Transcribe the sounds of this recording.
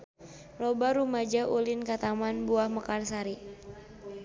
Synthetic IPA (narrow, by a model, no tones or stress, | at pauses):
lɔbaɾumad͡ʒaʔulinkat̪amanbuahməkarsaɾi